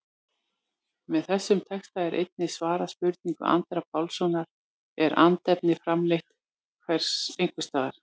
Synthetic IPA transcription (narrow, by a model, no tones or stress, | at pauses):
mɛðθɛsːʏmt̪ʰɛkst̪aɛɾʔḛjt̪̚nɪsvaːɾaspʏɾt̪niŋkʏ̰ʔa̰nt̪ɾapawlsɔnaɾ | ɛɾa̰nt̪ɛpnɪfɾamlejht̪ | kʰvɛɾ̥sejŋkvʏst̪aːðaɾ̥